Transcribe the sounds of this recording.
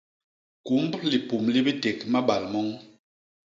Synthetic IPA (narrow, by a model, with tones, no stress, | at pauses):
ku˨˦mbli˨pu˨mli˦bi˦te˨kma˦ɓa˨lmɔ˦ŋ